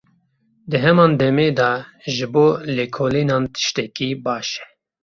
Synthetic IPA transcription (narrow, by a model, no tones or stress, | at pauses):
d̪ɨɦɛmɑːnd̪ɛmeːd̪ɑːʒɨboːleːkʰoːliːnɑːnt̪ʰɨ̥ʃt̪ɛkiːbɑːʃɛ̥